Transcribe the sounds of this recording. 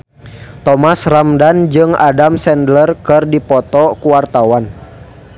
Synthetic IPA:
t̪ɔmasramdand͡ʒɨŋa̰damsɛndlərkɨrdipɔt̪ɔkuwart̪awan

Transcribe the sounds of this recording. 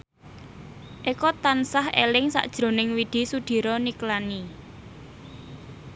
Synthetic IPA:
ʔikɔt̪ansahḛlɪŋsa̰ʔd̥ʒ̥ɾo̤nɪŋwid̪̥i̤sud̪̥i̤ɾɔniklani

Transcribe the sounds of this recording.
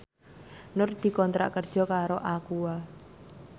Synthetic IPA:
nʊrd̪̥i̤kɔnt̪ɾa̰ʔkərd̥ʒ̥ɔ̤kaɾoʔakuwa

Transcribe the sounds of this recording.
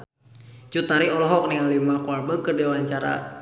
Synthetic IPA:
d͡ʒut̪aɾiɔlɔɦɔk̚niŋanlimakuarbəkərdɛwaɲt͡ʃaɾa̰

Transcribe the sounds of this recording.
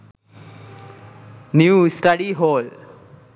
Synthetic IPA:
njusʈaɖiɦol

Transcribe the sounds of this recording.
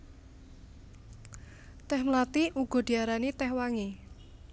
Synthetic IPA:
t̪ɛhmlat̪iʔuɡ̥ɔ̤d̪̥i̤aɾanit̪ɛhwaŋe

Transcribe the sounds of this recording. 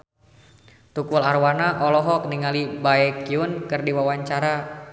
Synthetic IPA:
t̪ukularwanaʔɔlɔɦɔk̚niŋalibaɛkiunkɨrdiwawaɲt͡ʃaɾa

